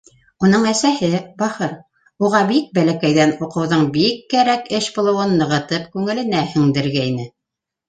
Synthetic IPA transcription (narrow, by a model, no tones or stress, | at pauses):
un̪ɤɴæsæhɘbɑhɤɾ | uʁɑbik̚bælækæjðænuqɤ̆wðɤɴbikːæɾækɘʃbŏlˠɤ̆wɤnːɤ̆ʁɤ̆t̪ɤpkʉŋɘ̆lɘ̆næhɵ̆ŋd̪ɘ̆ɾɡæinɘ